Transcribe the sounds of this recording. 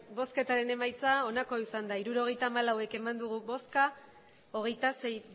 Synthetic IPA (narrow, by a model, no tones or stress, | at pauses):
bo̞ske̞t̪aɾe̞ne̞majt͡sao̞nako̞isand̪aiɾuɾo̞ɣ̞e̞jt̪aːmalawe̞ke̞mand̪uɣ̞ubo̞ska | o̞ɣ̞e̞jt̪ase̞j